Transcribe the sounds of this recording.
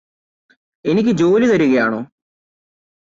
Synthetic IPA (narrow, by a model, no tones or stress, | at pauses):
e̞nikʲːɨd͡ʑo̞ːlit̪ɐɾuɣɐjaːɳo̞̰ː